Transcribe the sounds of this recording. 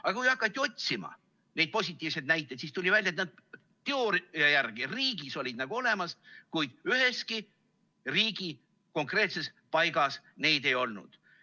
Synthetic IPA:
ɑɡɑkujɑkːˑɑt̪ʲːˑio̞t̪̚ʲsimɑ̰ | ne̞d̪̚po̞sʲit̪ːˑiːvse̞d̪næjt̪ːˑe̞t̪siːst̪ulʲivælʲjɑet̪nɑd̪̚ | t̪eo̞ɾɑjærɡ̥iriːɡiso̞lʲid̪̚nɑɡ̥uo̞le̞mɑskujd̪̥yhe̞ski | riːɡ̥i | ko̞ŋkre̞ːt̪se̞s | pɑjɡ̥ɑs | ne̞jd̪̥e̞jo̞lnṵd̪̥

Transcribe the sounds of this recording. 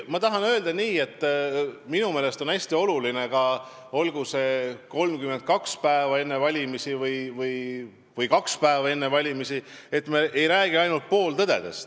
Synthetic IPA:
mɑt̪ɑɦɑnø̞ːld̪ɑniːe̞t̪ˑːminume̞ːlest̪o̞næsʲt̪io̞luline̞kɑ | o̞lɡ̥use̞ko̞lmkyment̪̚kɑkspæevɑe̞nːevɑlʲimisivɯjvɯj | vɯjkɑkspæevɑe̞nːe̞vɑlʲimisie̞t̪ːmeʔe̞jɾæːɡ̥iɑjnult̪̚po̞ːlt̪ɤd̪̥e̞̰d̪̥e̞st̪

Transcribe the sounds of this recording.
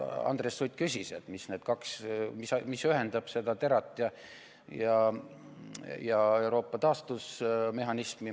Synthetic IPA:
ɑ̰nd̪̥resːujt̪ʲˑkysʲiset̪misne̞ːd̪̥kɑksmismisyɦend̪ɑb̥se̞d̪̥ɑt̪e̞ɾɑt̪ˑːjɑ | jɑ | jɑe̞wɾo̞ːpːˑɑt̪ɑːst̪usme̞ɦɑnismi

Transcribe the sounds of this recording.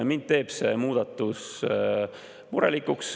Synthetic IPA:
mint̪̚t̪ːe̞ːb̥se̞muːd̪̥ɑt̪ːˑus | muɾɑ̰likːˑuks

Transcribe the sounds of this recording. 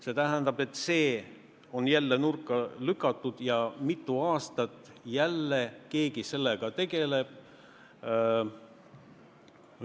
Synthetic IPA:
se̞t̪æɦænd̪ɑb̥e̞t̪ːˑse̞ː | o̞njælːe̞nurkˑːɑlykːˑɑt̪ːˑud̪̥jɑmit̪ːˑuɑːst̪ɑt̪ːˑjælːeke̞ːɡise̞lːeɡ̥ɑt̪e̞ɡ̥e̞le̞b̥̚

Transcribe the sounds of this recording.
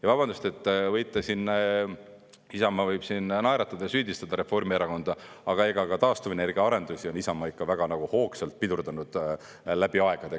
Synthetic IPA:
jɑvɑbɑnd̪ust̪e̞t̪ˑːvɤjt̪ːˑesinː | isɑmːɑvɤjb̥sinnɑjɾɑt̪ːˑɑd̪̥ɑjsyːd̪ist̪ɑd̪̥ɑɾe̞fo̞rmieɾɑko̞nd̪̥ɑ | ɑɡ̥ɑe̞ɡ̥ɑkɑt̪ɑːst̪uvene̞rɡ̥iɑɑɾe̞nd̪̥usʲio̞nisɑmːɑikːɑvæɡ̥ɑnɑɡ̥uho̞ːkselt̪̚pid̪urd̪ɑnud̪̥ | læb̥iɑe̞ɡ̥ɑd̪e

